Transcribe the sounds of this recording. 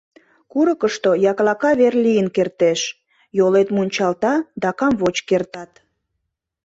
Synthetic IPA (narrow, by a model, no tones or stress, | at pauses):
kuɾəkəʃt̪ojɑklɑkɑβerlijənkert̪eʃ | jolet̪munʲt͡ɕɑlt̪ɑd̪ɑkɑmvot͡ɕkert̪ɑt̪